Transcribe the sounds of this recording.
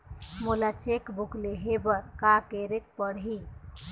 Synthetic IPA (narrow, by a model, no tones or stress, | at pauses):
mulat͡ʃekbukleɦebəɾkakeɾek̚pəɽɦi